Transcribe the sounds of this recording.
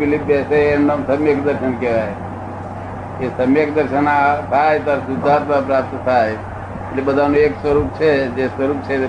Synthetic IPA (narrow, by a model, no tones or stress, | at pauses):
bilipbɛseenːmsəmjekd̪əɾsənkea | esəmjekd̪əɾsənasʰajt̪əɾsud̪ʱːaɾpəpɾap̚t̪sʰaj | libəd̪ʱanuekswəɾup̚t͡ʃʰɛd͡ʒeswəɾup̚t͡ʃʰɛ